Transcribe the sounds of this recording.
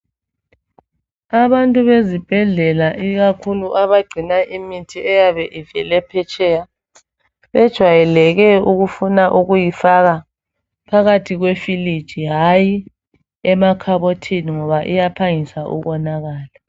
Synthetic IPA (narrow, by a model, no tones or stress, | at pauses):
aβantʼuβezib̥ʱɛɮɛlaʔiɣakʰuluʔaβaɡ͡ǀʱinaʔimitʰiɛjaβɛʔivɛlɛpʰɛt͡ʃʼɛja | βɛd̥ʒ̥ʱwajɛlɛɣɛuɣufunaʔuɣujifaɣa | pʰaɣatʰiɣwefili̥t͡ʃiɦaji | ɛmakʰaβotʰiniŋɔβaʔijapʰaŋisaʔṵɣɔnaɣaːla